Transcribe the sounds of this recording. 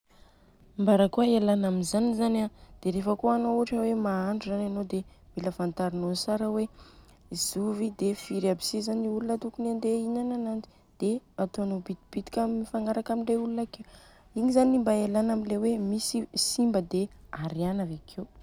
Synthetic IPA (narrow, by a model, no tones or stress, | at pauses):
mbaɾəkuəelanaminzanizanad̪̥eɾefəkoanouaʈ͡ʂəwemaaɳɖ͡ʐuzananod̪emiləfant̪aɾinosaɾəwe | z̥uvid̪efiɾabi̥sizaniulunət̪ukunand̪einananand͡zi̥ | d̪̥eat̪oanobit̪ib̥it̪i̥kʲamifaŋaɾakamiɳɖ͡ʐeulunakew | iŋizanimbaelanamilewemisisimbəd̪eaɾianavekʰew